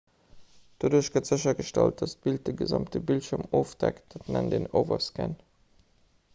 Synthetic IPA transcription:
d̥oduːɐɕɡ̥ətz̥əɕɐɡəʃtælt̚dɑsb̥ilt̚dəɡəzɑmtəbiltʃyɐmoːfd̥æktd̥ɑtnændeːno̰ʊvɐskən

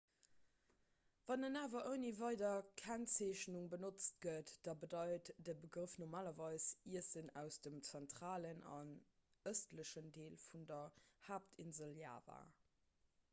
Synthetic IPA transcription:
vɑnənaːvɐʔəʊnivɑɪdɐkʰænt͡seːɕnuŋbənot͡st̚ɡ̥ətd̥ɑbədɑɪtd̥əbəɡʁəfnoʁmaːlɐvɑɪsiəsənæʊsd̥əmt͡sæntʁ̥aːlənɑ̰n | əstləɕəndeːlfundɐhaːp̚tʰinzəlja̰ːva̰

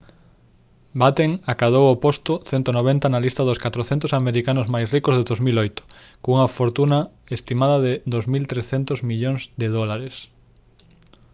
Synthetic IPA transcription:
bat̪eŋakað̞owopost̪ʊθɛnt̪onoβ̞ent̪ɐnalist̪ɐðʊskat̪ɾoθent̪ʊsameɾikanʊzmajsrikozðeðozmilojt̪ʊ̥ | kuŋɐfoɾt̪unɐ | est̪imaðɐðɪd̪ozmilt̪ɾesθent̪ʊzmiʎoŋzd̪eðɔlaɾes

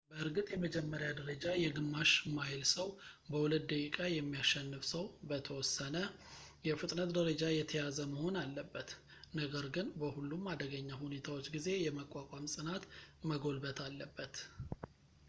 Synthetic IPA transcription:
bəʔɨɾɡɨt̪ʼjɛməd͡ʒɛmːəɾjad̪əɾəd͡ʒajɛɡɨmːaʃmajlsəwbəwulət̪̚d̪əkʼikʼajɛmːijaʃːɛnːɨfsəwbət̪ʰəwɔsːənəjɛfɨt̪ʼnət̪d̪əɾəd͡ʒajɛt̪ʰəjazəməho̞nalːəbːət̪ | nəɡəɾɡɨnbəhulːumad̪əɡəɲːaɦune̞t̪ʰawo̞t͡ʃːɡize̞jɛməkʼːakʷʼamsʼɨnat̪məɡo̞lbət̪ʰalːəbːət̪

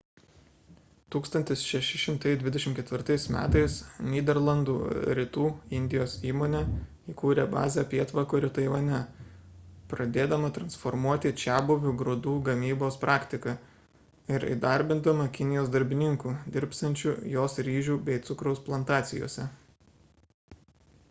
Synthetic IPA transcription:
t̪uːkst̪ɐnʲt̪ʲɪsʃʲɛʃʲɪʃʲɪmt̪ɐɪd̪ʲʋʲɪd̪ʲɛʃʲɪmt̪kʲɛt̪ʲʋʲɪɾt̪ɐɪsmʲæ̰ːt̪ɐɪsnʲiːd̪ʲɛɾlˠɐnd̪ṵːɾʲɪt̪uːɪnʲd̪ʲɪjoːsiːmoːnʲɛ | ikuːɾʲɛbɑ̰ːzʲɛpʲiɛt̪ʋɐkoːɪɾʲt̪ɐɪʋɐnʲɛ | pɾɐd̪ʲeːd̪ɐmɐt̪ɾɐnsfɔɾmuɔt̪ʲɪt͡ʃʲæːbʊʋʲʊɡɾʊd̪uːɡɐmʲiːboːspɾʔɑːkt̪ʲɪkɐ | ɪɾḭd̪ɐɾʲbʲɪnd̪ɐmɐkʲɪnʲɪjoːsd̪ɐɾʲbʲɪnʲɪŋkuːd̪ʲɪɾʲpsɐnʲt͡ʃʲujoːsɾʲiːʒʲuːbʲɛɪt̪sʊkɾɐʊsplˠɐnt̪ɑːt̪sʲɪjo̰ːsʲɛ

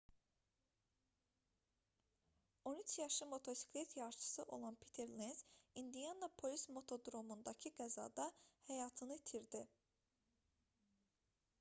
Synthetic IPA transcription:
o̞nyt͡ʃʰjɑʃɯmo̞t̪ʰo̞si̥kʰlʲet̪ʰjɑɾt͡ʃʰɯ̥sɯʔo̞lˠɑnpʰi̥t̪ʰe̞ɾlenz̥ind̪ijɑnlˠɑpʰo̞lʲismo̞t̪ʰo̞d̪ɾo̞mund̪ɑcʰiɡæzɑ̰d̪ɑhæjɑːt̪ʰɯnɯt̪ʰiɾd̪i

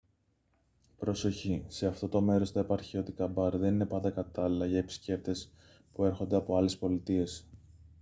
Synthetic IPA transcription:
pɾo̞so̞çise̞ɐft̪o̞t̪o̞me̞ɾo̞st̪ɐepɐɾçio̞t̪ikɐbɐɾðe̞nine̞pɐnd̪ɐkɐt̪ɐlilɐʝɐepi̥sce̞p̚t̪e̞s | pue̞ɾxo̞nd̪e̞ɐpo̞ɐle̞spo̞lit̪ie̞s

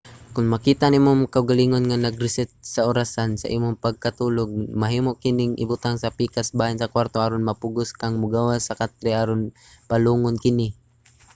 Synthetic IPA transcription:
kʊŋmɐkiːt̪aʔnimoŋkaʔʊɡaliːŋonŋanaɡɾɪsɛt̪̚saʊɾasansa̰ʔimʊŋpaɡ̚kat̪uloɡ̚maɦiːmoʔkɪnɪŋʔɪ̰bʊt̪aŋsapiːkasbaːjɪnsɐkwaɾt̪oʔaɾonmɐpʊɡʊskaŋmʊɡawasakat̪̚ɾɛʔaɾon | paluːŋʊnkɪnɪ

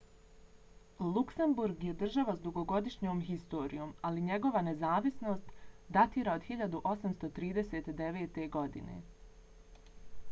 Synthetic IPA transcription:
lˠuksembuɾɡje̞d̪r̩ʒaʋasd̪uɡo̞ɡo̞d̪iʃɲo̞ːmɦist̪o̞ːɾḭjo̞ːmaliɲe̞ɡo̞ʋane̞zaːʋisno̞ːst̪d̪at̪iːɾaod̪xiʎad̪uʔo̞samst̪o̞t̪ɾiːd̪ese̞ːt̪d̪e̞ʋe̞ːt̪e̞ɡo̞d̪ḭne̞̰

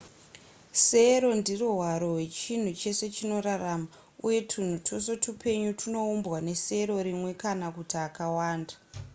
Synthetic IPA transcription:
se̞ɾo̞ndiruɦwaɾo̞ɦwe̞t͡ʃin̤ut͡ʃe̞se̞t͡ʃino̞ɾarama | uje̞tʰun̤utʰosotupʰe̞ɲutʰuno̞umbwane̞se̞ɾo̞ɾimwe̞kanakutiakawaːnda

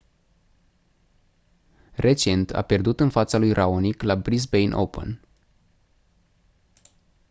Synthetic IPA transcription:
re̞t͡ʃe̞nt̪ʰa̰pe̞rd̪ut̪ɨnfat̪salujrʔaoniklabɾisbejnʔo̰pə̰n

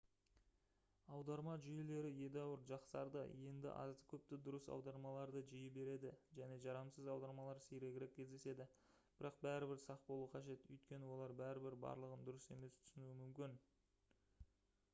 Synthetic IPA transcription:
ɑwd̪ɑɾmɑʒʏje̞le̞ɾɪje̞d̪ɑwəɾʒɑqsɑɾd̪ə̰je̞nd̪ɪ̰ʔɑ̰zd̪əkʲʰɵp̚t̪ɪd̪ʊɾəsɑ̰wd̪ɑɾmɑlˠɑɾd̪əʒijəbe̞ɾe̞d̪ɪʒæne̞ʒɑɾɑmsəzɑwd̪ɑɾmɑlˠɑɾsijɾe̞ɡʲɪɾe̞kʲʰːe̞zd̪e̞se̞d̪ɪ | b̥ɪɾɑq̚bæɾɪbɪɾsɑq̚bolˠuqʰɑʒe̞t̪ʏ̰jt̪kʲe̞nɪwo̞lˠɑɾbæɾɪbɪɾbɑ̰ɾlˠəʁənd̪ʊɾəse̞me̞st̪ʰʏ̥sɪnuɪmʏmkʲɪn

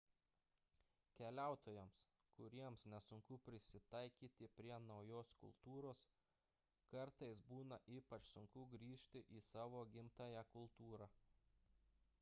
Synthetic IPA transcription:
kʲɛlʲæˑʊt̪oːjɛms | kʊɾʲiɛmsnʲɛsʊŋkʊpʲɾʲɪsʲɪt̪ɑˑɪkʲiːt̪ʲɪpʲɾʲiɛnɒʊjoːskʊ̰lˠt̪uːɾoːs | kɐɾt̪ɐɪsbuːnɐʔiːpɐt͡ʃsʊŋkʊɡɾʲiːʃʲt̪ʲɪʔiːsɑːʋoːɡʲɪmt̪ɑjækʊlˠt̪uːɾɑː

